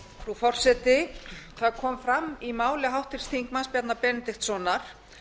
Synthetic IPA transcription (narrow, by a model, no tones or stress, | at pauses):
fɾufɔr̥sɛt̪ɪθaðkʰɔːmfɾamːimaːwlɪɦawht̪ɪɾ̥st̪ʰiŋkmanspjɛt̪napɛːnɪt̪ɪxt̪sɔnaɾ̥